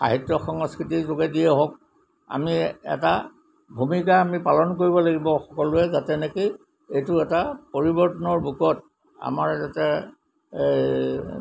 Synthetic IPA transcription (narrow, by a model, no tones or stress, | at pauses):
a̰ɦitːɔxɔŋskɹitizoɡɛdiɛɦɔk̚ | a̰miɛ̰ta | bʱumikaːmipalɔnkoɹibɔlaɡibɔxɔkɔlʊɛzatɛnɛki | ejtʊɛtapoɹibɔɹtɔnɔɹbʱukɔt | a̰maɹzatɛ | e